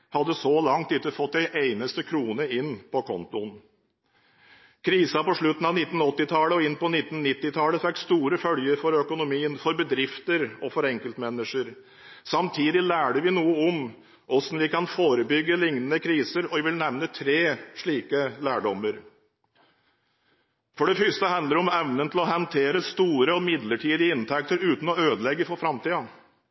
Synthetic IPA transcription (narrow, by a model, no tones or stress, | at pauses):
hɑd̪ːəsɔlɑŋt̪ʉt̪ːəfɔt̪d̪ɛɪʔeɪnəst̪əkʰɾuːnəɪnpʰɔkʰɔnt̪ʊn | kʰɾiːsɑpɔʂɭʉt̪ːn̩ɑʋnɪt̪n̩ɔt̪ːɪt̪ʰɑləɔɪnpɔnɪt̪ːn̩ːɪt̪ːɪt̪ʰɑləfɛkst̪uːɾəfœljəɾfɔɾœkʊnʊmiːənfɔɾbəd̪ɾɪft̪əɾɔfɔɾɛŋkəlt̪mɛnːəʂəɾ | sɑmt̪ʰiːd̪ɪlæːɖəʋɪnuːəɔm | ʔɔsnʋɪkɑnfoːɾəbʏɡːəlɪŋnənəkʰɾiːsəɾɔʋɪʋɪlnɛʋnət̪ʰɾeːʂɭiːkəlæːɖɔmːəɾ | fɔɖɛfʏst̪əhɑnd̪əɾɔmɛʋnənt̪ɪlɔɦənt̪ʰeːɾəst̪uːɾəɔmɪd̪ləʈʰiːd̪ɪəɪnt̪ʰɛk̚t̪əɾʉːt̪n̩ɔøːd̪əlɛɡːəfɔɾfɾɑmt̪ʰiːɑ